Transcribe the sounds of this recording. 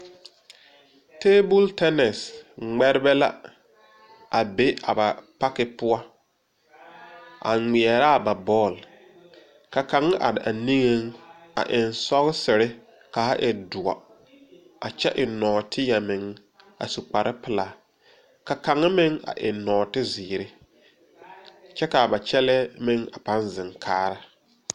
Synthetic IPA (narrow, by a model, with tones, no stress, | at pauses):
teː˦bʊ˦ltɛ˦nɛ˨sŋ͡mɛ˦ɾɪ˦bɛ˦la̰˦ | ʔa˨be˦a̰˨ba˨pa˦kɪ˦pʊ˦a˦ | a̰˨ŋ͡mi˨ɛ˨ɾaː˦˨ba˨bɔː˦˨l | ka˨ka˨ŋɪ˦ʔa̰˨dɪ˨ʔa˨ni˦ŋe˦ŋa̰˨ʔɪ˨nsɔ˦ɣɪ˦sɪ˨ɾɪ˦ | ka˨ha˦ʔɪ˨dʊ˨a̰˨ | a˨t͡ʃɛ˦ʔɪ˨nɔː˨tʰɪ˦ja˨mɪ˨ŋ | a̰˨su˨k͡pa˨ɾʔɪ˦pɪ˦laː˨ | ka˨ka˨ŋɪ˦mɪ˦ŋa̰˨ʔɪ˨nɔː˨tɪ˦ziː˨ɾɪ˦ | t͡ʃɛ˦ka˨ba˨t͡ʃɛ˦lɛ˦mɪ˦ŋa̰˨pa˦nzɪ˨ŋkʰaː˦ɾa˦